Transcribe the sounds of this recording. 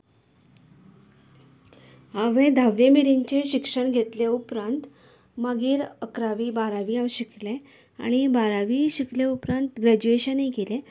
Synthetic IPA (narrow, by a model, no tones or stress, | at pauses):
aʋẽd̪ʱaʋemiɾiɲt͡ɕeɕikʂəɳɡʱet̪leupɾant̪ | maɡiːɾəkɾaʋiːbaɾaʋiːaʋɕikle | a̰ɽ̃ibaɾaʋiːɕikleupɾãnt̪ɡɾæd͡ʑueɕənɦikele